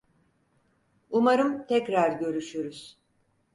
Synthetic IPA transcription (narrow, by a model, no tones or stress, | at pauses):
umaɾɯmt̪ʰɛcɾaɾɟø̞ɾyʃyɾuz̥